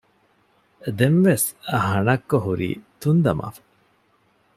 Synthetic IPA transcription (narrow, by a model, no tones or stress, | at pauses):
d̪enʋesɐɦɐnɐkːoɦuɾḭːt̪und̪ɐmʔa̰ːfɐ̥